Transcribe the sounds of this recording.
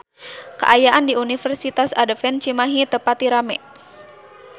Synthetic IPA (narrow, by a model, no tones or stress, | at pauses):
kə̰ʔajaʔandiunifərsit̪asadəfɛnt͡ʃimaɦit̪əpat̪iɾamɛ